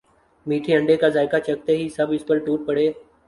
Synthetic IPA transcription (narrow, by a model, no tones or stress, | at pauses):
miːʈʰeːəɳɖeːkaːzaːɪkaːt͡ʃək̚t̪eːɦiːsəbɪspəlʈuːʈ̚pəɽeː